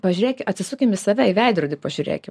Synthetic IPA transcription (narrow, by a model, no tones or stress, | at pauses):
pɐʒʲʊɾʲeːkʲɪɐt̪ʲsʲɪsʊːkʲɪmʲʋʲɪsɐʋʲɛɪʋʲɛɪd̪ɾoːd̪ʲɪpɐʒʲʊɾʲḛːkʲɪ